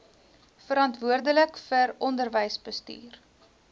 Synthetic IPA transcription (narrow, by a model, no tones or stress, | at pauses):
fəɾɐntvuərdələkfəɾɔndərvəjsbəsty̰ːr